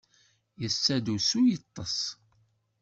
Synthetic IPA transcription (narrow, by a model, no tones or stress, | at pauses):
jəsːæd̪usujət̪ˤːəsˤ